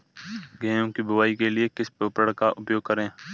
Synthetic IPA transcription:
ɡɛ̃ːjõkibʊʋaːikeliekɪspoːpəɽkaʔʊpjoːɡ̚kəɾẽː

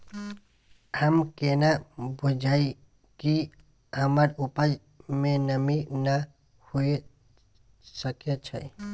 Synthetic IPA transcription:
həmkenabʱud͡ʒʱai | ki | ɦəməɾupəd͡ʒ | mẽnəmina | hui | səket͡ʃʰɛ̰

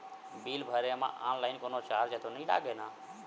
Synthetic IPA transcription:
biːlbʱəɾeəmã̰ʔaːnlaːɪnkonot͡ʃaːɾd͡ʒət̪ʰonəĩla̰ːɡenãː

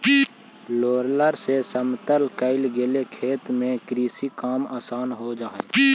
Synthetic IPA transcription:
loːɾləɾsesəmt̪əlkəɪlɡelekʰeːt̪mẽkɾiːsikaːmaːsaːnɦod͡ʒaːe

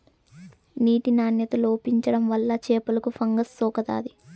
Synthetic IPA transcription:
niːʈ̪inaːnjɐt̪ɐloːpiɲt͡ʃɐɽɐmʋɐlːɐt͡ʃɛːpɐlɐkupʰɐŋɡɐsːɔːkɐd̪a̰ːd̪i

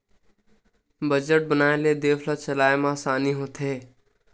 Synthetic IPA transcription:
bəd͡ʒəʈ̚bənaːeled̪eːpʰlat͡ʃelaːemãsaːniɦõːt̪ʰe

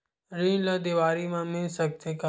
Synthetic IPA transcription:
ɾiːnləd̪iʋaːɾimãmɪɭsək̚t̪eka

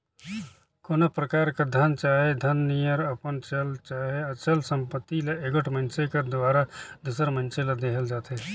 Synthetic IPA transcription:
koːnopɾəkaːɾkad̪ʱənt͡ʃaːɦed̪ʱənːijəɾɐpənt͡ʃəlt͡ʃaːɦeɐt͡ʃəlsəmpət̪ːileeɡəʈʰmə̃nt͡ʃekɐd̪ʊʋaːɾad̪usəɾmə̃nt͡ʃelɐd̪ekʰəld͡ʒaːt̪ɦe

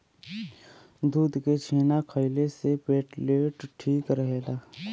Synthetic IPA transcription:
d̪uːd̪ʱket͡ʃʰiːnakʰəɪlesepeːʈleːʈʈʰiːkɾəɦeːlaː

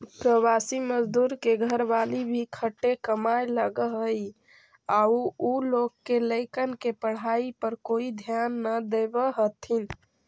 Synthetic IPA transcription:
pɾəʋasiməd͡ʒd̪uɾkeɡʱəɾʋalibʱikʰəʈːekəmajləɡəɦəj | aulokːeləɪkənkepəɽ̤aipəɾkoid̪ʱjanːəd̪ebəɦət̪ʰin

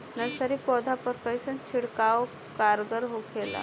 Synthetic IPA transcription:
nəsaɾiːpɔd̪ʱapəɾkəjsənt͡ɕʰiɽkaʋ | kaɾɡəɾɦokʰela̰

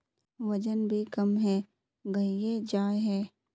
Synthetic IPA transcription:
ʋɐd͡ʒənbʱikɐmɦɛː | ɡɐied͡ʒaːeɦɛː

